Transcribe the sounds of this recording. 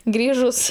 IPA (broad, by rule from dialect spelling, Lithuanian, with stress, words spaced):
ˈɡrʲiːʒʊs